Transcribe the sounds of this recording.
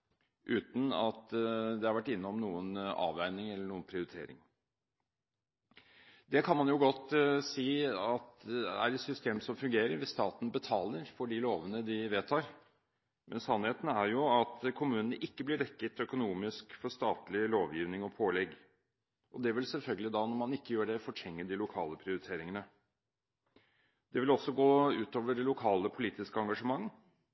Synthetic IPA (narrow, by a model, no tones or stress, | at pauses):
ʔʉːt̪n̩ɑt̪d̪ɛhɑɾʋæʈːɪnːɔmnuːənɑ̰ːʋæɪnɪŋɛlːəɳuːənpʰɾɪʊɾɪt̪ʰḛːɾɪ̰ŋ | d̪ɛkʰɑnmɑnjʊɡɔt̪ːsiːɑt̪ɛæ̰ɾɛt̪sʏst̪eːmsɔmfʉŋɡeːɾəɾʋɪst̪ɑːt̪n̩bət̪ʰɑːləɾfɔɖɪloːʋənəd̪ɪʋeːt̪ʰɑːɾ | mʔɛnsɑnheːt̪næɾjʊɑt̪kʰʊmʉːnənəʔɪkːəblɪɖ̪ɛkːət̪œkʊnuːmɪskfɔʂt̪ɑːt̪lɪloːʋjiːʋnɪŋɔpʰoːlɛɡ | ʔɔd̪ɛʋɪlsɛlfœlɡəlɪd̪ɑnɔɾmɑnɪkːəjøːɖɛfɔʈʰɛŋːəɖɪlʊkʰɑ̰ːləpʰɾɪʊɾɪt̪ʰeːɾɪŋənə | d̪̥ɛʋɪlɔsːɔɡoːʉːt̪oːʋəɖɛlʊkʰɑːləpʰʊliːt̪ɪskəɑŋɡɑʂəmɑŋː